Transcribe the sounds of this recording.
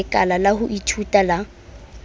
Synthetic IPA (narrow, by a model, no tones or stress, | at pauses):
kʼalalahʊʔitʰutʼala